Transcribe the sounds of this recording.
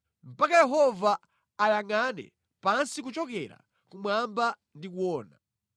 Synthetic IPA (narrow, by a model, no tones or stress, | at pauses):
m̩pakajɛɦɔvaː | jaŋanɛ̰ | pansik̬ut͡ʃɔkɛɾa̰ | kumwamba | ndikuwɔːna